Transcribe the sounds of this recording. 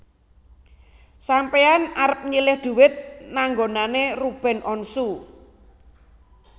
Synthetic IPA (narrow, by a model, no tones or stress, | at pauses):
sampeanaɾəp̚ɲilɪhd̪̥ṳwɪt̪̚naŋɡonanerub̥ɛ̤nʔɔnsu